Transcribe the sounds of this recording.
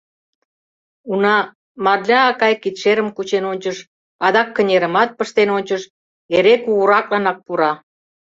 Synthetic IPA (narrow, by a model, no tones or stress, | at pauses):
unɑ | mɑrlʲɑːkɑjkit̪ʃeɾəmkut͡ɕenonʲt͡ɕəʃ | ɑðɑkːə̆nʲeɾə̆mɑt̪̚pəʃt̪enonʲt͡ɕəʃ | eɾekuɣuɾɑk̚lɑnɑk̚puɾɑ